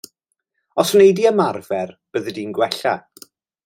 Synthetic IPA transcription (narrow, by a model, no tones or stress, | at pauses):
ɔsnejdiəmarvɛrb̥əðədiːnɡwɛɬa̰